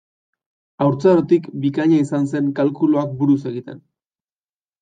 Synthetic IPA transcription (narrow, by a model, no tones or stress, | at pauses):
awɾt͡saɾot̪ikbikaɲaisanse̞ŋkalkuluakbuɾuse̞ɣit̪e̞n